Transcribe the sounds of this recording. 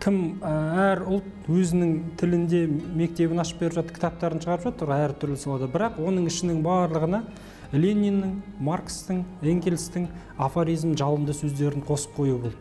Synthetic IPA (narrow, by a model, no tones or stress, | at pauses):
kʲʰɪmæɾʊlˠt̪ | wɵzɪnɪŋt̪ʰɪlɪnd̪e̞me̞k̚t̪e̞βɪnɑʃə̥p̚be̞ɾɪpʒɑt̪ə̥ɾkʲʰt̪ɑp̚t̪ɑɾənʃʰəʁɑɾəpʒɑt̪əɾæɾt̪ʰʏɾlɪsolˠɑd̪əbɪɾɑqwo̞nəɴɪʃɪnɪŋbɑːɾlˠəʁənɑ | lʲeninːɪɴmarkst̪ɪŋeŋɡʲelst̪ɪŋ | afoɾijzmʒɑlˠəmd̪əsɵzd̪e̞ɾɪɴqʰo̞sə̥p̚qʰo̞jubo̞lˠd̪ə